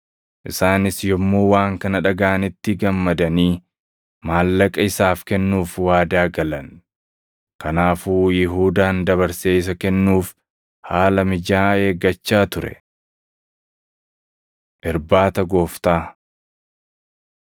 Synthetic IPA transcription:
ʔɪsaːnɪsjɔmːoːwaːŋkɐnɐᶑɐɡaːnɪt̪ːɪɡɐmːɐd̪ɐniː | maːlːɐkʼɐɪsaːfkɛnːuːfwaːd̪aːɡɐlɐn | kɐnaːfuːjɪɦuːd̪aːnd̪ɐβɐɾseːɪs̬ɐkɛnːuːf | haːlɐmɪd͡ʒaːe̞ːɡɐt͡ʃːaːt̪ʊɾɛ̰ | ʔɪɾbaːt̪ɐɡo̞ːft̪aː

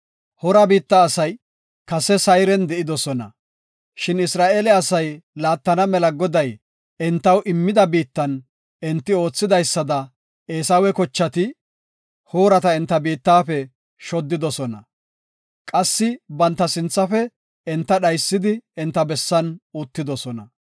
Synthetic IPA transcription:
hɔɾɐbiːt̪ːɐːsɐj | kɐsɛsɐjɾɛnd̪ɛʔɪd̪ɔsɔnɐ̰ | ʃɪnɪsɾaːʔeːlɛɐsɐjlaːt̪ːɐnɐmɛlɐɡɔd̪ɐj | ɛnt̪ːɐwʔɪmːɪd̪ɐbiːt̪ːɐn | ɛnt̪ːɪo̞ːt͡sːɪd̪ɐjsːɐd̪ɐ | eːsɐwɛkɔt͡ʃːɐt̪ɪ | ho̞ːɾɐt̪ɐɪnt̪ːɐbiːt̪ːaːfɛ | ʃɔd̪ːɪd̪ɔsɔnɐ̰ | kʼɐsːɪbɐnt̪ːɐsɪnt͡sːɐfɛ | ɪnt̪ːɐɗɐjsːɪd̪ɪɪnt̪ːɐbɛsːɐnut̪ːɪd̪ɔsɔnɐ

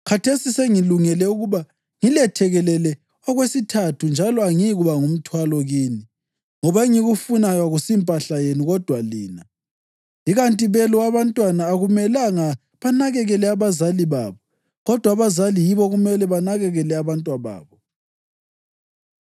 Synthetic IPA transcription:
kʰatʰesiseŋiluŋɛlɛuɣuβa | ŋilɛtʰɛɣɛlɛlɛ | ɔɣwesitʰatʰund͡ʒʱalɔaŋiɣuβaŋum̩tʰwalɔɣini | ŋɔβaeŋiɣufunajwaɣusimpʼaɬajenuɣɔd̥ʱwaliːna | iɣantʼiβɛlɔwaβantʼwanaːɣumɛlaŋa | βanaɣɛɣɛlɛaβazaliβaβɔ | ɣɔd̥ʱwaβazalijiβɔɣumɛlɛβanaɣɛɣɛlɛaβantʼwaβa̰ːβɔ

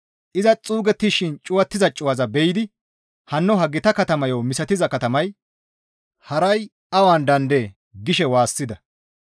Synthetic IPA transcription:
ʔɪzɐt͡sʼuːɡɛt̪ːiʃɪnt͡ʃʼʊwɐt̪ːɪzɐt͡ʃʼʊwɐzɐbɛjɪd̪ɪ | hɐnːɔɦɐɡɪt̪ɐkɐt̪ɐmɐjowmɪsɐt̪ɪzɐkɐt̪ɐmɐj | hɐɾɐj | ɐwaːnd̪ɐnd̪e | ɡɪʃɛwaːsːɪd̪ɐ

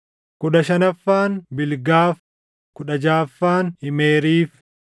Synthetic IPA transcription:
kʊᶑɐʃɐnɐfːaːnbɪlɡaːf | kʊᶑɐd͡ʒaːfːaːnhɪmeːɾiːf

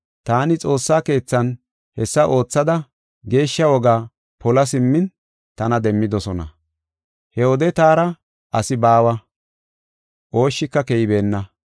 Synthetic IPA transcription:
t̪aːnɪt͡sʼo̞ːsːaːke̞ːt͡sːɐn | hɛsːɐʔo̞ːt͡sːɐd̪ɐ | ɡe̞ːʃːɐwɔɡaː | pɔlɐsɪmːɪn | t̪ɐnɐd̪ɛmːɪd̪ɔsɔnɐ̰ | hɛhɔd̪ɛt̪aːɾɐ | ʔɐsɪbaːwɐ | ʔo̞ːʃːɪkːɐkɛjɪbe̞ːnːɐ

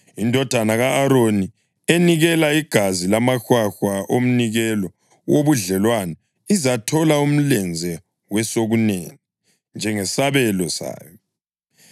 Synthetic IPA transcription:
indʱɔd̥ʱanaɣaʔːɾoni | eniɣɛlaiɡ̥ʱazilamaxwaxwaʔom̩niɣɛlɔ | woβuɮɛlwana | izatʰɔlaum̩lɛnd͡zʱɛ | wɛsoɣunɛːni | nd͡ʒʱɛŋɛsaβɛlɔsa̰ːjɔ

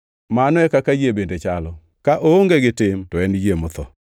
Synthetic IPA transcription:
manɔɛkakad͡ʒebendet͡ʃalɔ | kaʔooŋɡeɡɪtɪmtɔɛnd͡ʒemʊt̪ʰɔ

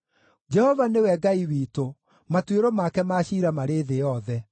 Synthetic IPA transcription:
d͡ʒɛhɔvanewɛɡaiwiːto | matweɾɔmakɛmaɕiːɾamaɾeðejɔðɛ

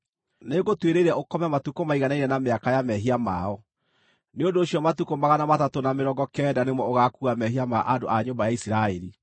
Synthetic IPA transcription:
neɣotweɾeɾɛokɔmɛmatukomaiɣanainɛnameakajamɛɦiamaɔ | neondoːɕjɔmatukomaɣanamatatonameɾɔːɡɔkɛːdanemwɔoɣakuamɛhiamaʔandoʔaɲombajaisɾaɛɾi

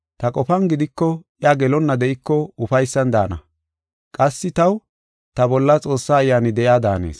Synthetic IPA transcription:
t̪ɐkʼɔfɐnɡɪd̪ɪkːɔ | ɪaɡɛlɔnːɐd̪ɛʔɪkːɔʊfɐjsːɐnd̪a̰ːnɐ̰ | kʼɐsːɪt̪ɐw | t̪ɐbɔlːɐt͡sʼo̞ːsːaːjːaːnɪd̪ɛʔjaːd̪a̰ːnḛːs

